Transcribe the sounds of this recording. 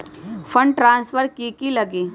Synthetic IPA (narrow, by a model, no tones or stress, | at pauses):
fʰə̃ɳʈɾãːnsfəɾkikilɐɡiː